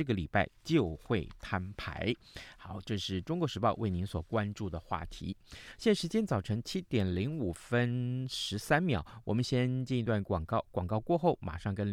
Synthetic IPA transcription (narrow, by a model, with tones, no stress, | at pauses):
ɤ˥˩ɡə˩li˨˩pa˥˩ɪt͡ɕjo˥˧ʊxwe˥˩ɪt̪ʰa˥npʰa̰˧˥ɪ | xɑ˨˩˦ʊʈ͡ʂɤ˥˧ʂɻ̩˥˩ʈ͡ʂʊ˥ŋkwɔ˧˥ʂɻ̩˧˥pɑ˥˧ʊwʔe˥˩ɪni˧˥nswɔ˨˩kwa˥nʈ͡ʂu˥˩d̪ə˩xwa̰˥˩t̪ʰḭ˧˥ɕjɛ˥˩ʂɻ̩˧˥t͡ɕjɛ˥nt͡sɑ˨˩ʊʈ͡ʂʰɤ˧˥ŋt͡ɕʰi˥t̪jɛ˨˩nli˧˥ŋu˨˩fə˥nʂɻ̩˧˥sa˥nmjɑ̰˨˩˦ʊwɔ˨˩mə˦nɕjɛ˥nt͡ɕi˥˧ni˧˥t̪wa˥˩nkŋkɑ˥˧ʊkwɑ˨˩ŋkɑ˥˧ʊkwɔ˥˧xo˥˩ʊma̰˨˩ʂɑ˥˩ŋkə˥n